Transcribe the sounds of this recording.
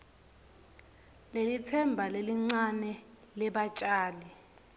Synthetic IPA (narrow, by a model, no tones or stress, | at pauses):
lelitʰɛmbʱaleliŋ͡ǀanɛ | lɛɓat͡ʃʼaːlɛ